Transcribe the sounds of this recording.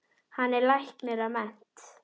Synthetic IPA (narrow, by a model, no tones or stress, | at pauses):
hanːɛɾlajhk̪mɛðaðmɛn̥t̪